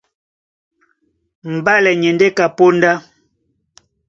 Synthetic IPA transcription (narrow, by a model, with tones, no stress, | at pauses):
m̩˨ba˦lɛ˨ɲɛ˨nde˦ka˨po˦n˦da˦